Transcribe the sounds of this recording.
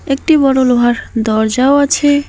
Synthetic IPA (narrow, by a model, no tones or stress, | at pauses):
ek̚ʈibɔɽoloɦaɾd̪ɔɾd͡ʒaoat͡ɕʰe